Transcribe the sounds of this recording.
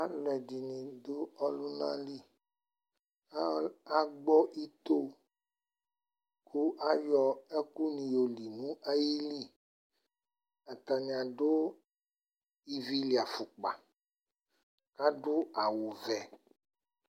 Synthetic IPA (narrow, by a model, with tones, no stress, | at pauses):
a˦lɛ˨d͡ʒi˨nĩ˨d̪o˦ɔ˦lu˦nã̰˦li˦ | a˦ɡ͡bɔ˦ʔi˦t̪o˦ | kʰu˦ʔa˦jɔ˨e˦ku˦nĩ˨jo˨li˨nũ˦ʔa˦ji˦li˦ | a˨t̪a˨nĩ˨a˨ɖo˦ | i˦vi˦li˨a˨fu˨k͡pa̰˨ | ka˦ɖo˦a˨wo˨vɛ˨